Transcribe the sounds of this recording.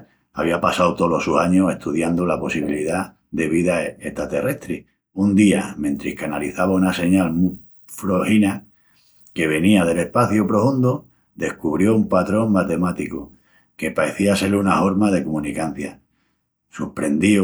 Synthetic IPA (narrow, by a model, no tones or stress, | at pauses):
a̰β̞iapasawt̪o̞lo̞susaɲose̞ht̪uðjand̪olapo̞siβiliða | ðe̞β̞iðae̞ht̪ɾat̪e̞rʔe̞ht̪ɾi | und̪iamẽnt̪ɾihkanaliθaβaunase̞ɲalmu | fɾo̞hina | ke̞β̞e̞niaðe̞le̞hpaθjopɾo̞fund̪o | d̪e̞hkuβ̞ɾjo̞umpat̪ɾo̞ŋmat̪e̞mat̪iko | ke̞pae̞θiase̞lunaho̞ɾmað̞e̞komũnikan̟θja | supɾe̞nd̪i